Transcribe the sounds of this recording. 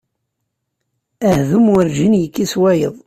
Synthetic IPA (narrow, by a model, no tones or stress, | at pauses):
æhðumʊɾʒinjəkːiswæjəðˤ